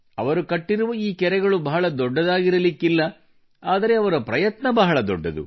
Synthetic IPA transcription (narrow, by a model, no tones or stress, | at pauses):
ɐ̰ʋɐɾukɐʈːiɾuʋɐiːkɛɾɛɡɐɭubɐɦɐɭɐd̪ɔɖːɐd̪aːɡiɾɐlikːilːɐ | aːd̪ɐɾe̞ɐʋɐɾɐpɾɐjɐt̪nɐbɐɦɐɭɐd̪ɔɖːɐd̪ṵ